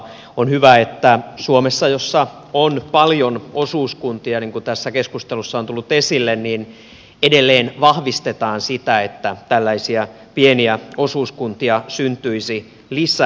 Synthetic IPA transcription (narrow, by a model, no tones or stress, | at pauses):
onhyʋæet̪ːæsuomesːɑjosːɑ | onpɑljonosuːskunt̪iɑniŋkut̪æsːækeskust̪elusːɑont̪ulːut̪esilːenniːn | edelːeːnʋɑhʋist̪et̪ɑːnsit̪æet̪ːæt̪ælːæisiæ | pieniæosuːskunt̪iɑsynt̪yisi | lisˑæ